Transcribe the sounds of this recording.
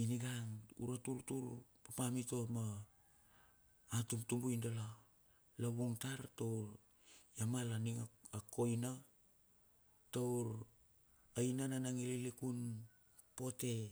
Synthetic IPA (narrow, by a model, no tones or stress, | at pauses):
iniɡaŋṵɾatuɾtuɾpapamito̞ma | tumtumbujndala | laβuŋtaɾtowɾ | jamalaniŋako̞jna | towɾ | ajnananaŋililikun | po̞te̞